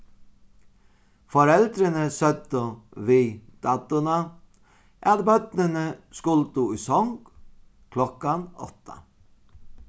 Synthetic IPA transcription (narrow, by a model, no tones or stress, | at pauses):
fɔɾɛld̪ɾənəsœt̪ʊʋiːd̪̥ɑːt̪ʊnɑ | ʔæ̰d̪bœt̪nənəskʊlt̪ʊisɔŋɡ̥ | kʰlɔkɑnɔ̰t̪ə̰